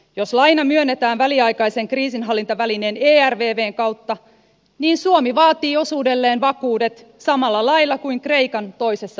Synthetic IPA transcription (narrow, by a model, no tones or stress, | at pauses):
jo̞slɑjnɑmyønːet̪æːnʋæliɑjkɑjse̞ŋkriːsinɦɑlːint̪ɑʋæline̞ːneːærʋeːʋe̞ːŋkɑwt̪ːɑ | niːnsuomiʋɑːt̪iːo̞suːde̞lːe̞ːnʋɑkuːde̞t̪ | sɑmɑlːɑlɑjlːɑkuiŋkre̞jkɑnt̪o̞jse̞sːɑ